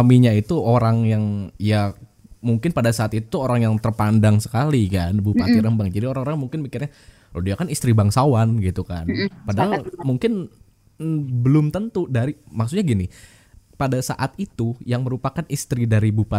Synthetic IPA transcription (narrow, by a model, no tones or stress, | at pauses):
amiɲait̪uoɾaŋjaŋja | muŋkɪnpadasaːt̪it̪ut̪uoɾaŋjaŋt̪ərpandaŋsə̥kalikanbupat̪iɾəmbaŋd͡ʒadioɾaŋoɾaŋmuŋkɪnmikɪrɲa | lɔdiakanist̪ɾibaŋsawanɡit̪ukanpadaɦalmuŋkɪn̩ | bəlʊmt̪ənt̪udaɾimaksut̪ɲaɡinɪ | padasa̰ʔat̪̚it̪ujaŋməɾupakanist̪ɾidaɾibupa